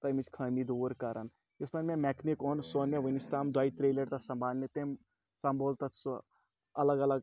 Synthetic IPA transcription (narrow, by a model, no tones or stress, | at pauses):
t̪ɐjmit͡ʃkʰɐnid̪uɾkɐɾan | ismɐnmemɛkʰnikonsoːneʋənist̪aːmd̪waːit̪ɾelɐɾt̪ɐsɐmbʱaːnːet̪em | sɐmbolt̪ɐs | ɐlɐɡɐlɐɡ